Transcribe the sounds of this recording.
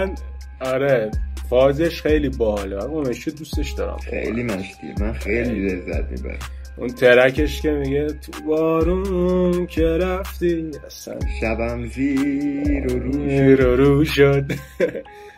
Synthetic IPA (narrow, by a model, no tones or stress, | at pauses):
mæn | ɒɾefɒːzeʃxejliːbɒɦɒlemæomet͡ʃod̪ust̪e̞ʃd̪ɒ̰ːɾæ̰mxḛjlimænʃd̪̥ḭḛmænxejlilezːæ̰t̪̚mḭbæ̰ɾæ̰ | ʔṵnt̪ʰeɾækʰe̞ʃkʲe̞miɟet̪ʰubɒːɾuncʰeɾæft̪iæsæ̰nʃæbæmzi | ɾoɾuɾoɾuʃod̪̥